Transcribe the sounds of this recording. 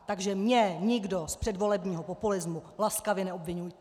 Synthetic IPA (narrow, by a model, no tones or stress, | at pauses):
t̪aɡʒɛmɲɛɲɪɡdospr̝̥ɛdvo̞lɛbɲiːɦo̞populɪzmulaskavjɛnɛo̞bvɪɲuj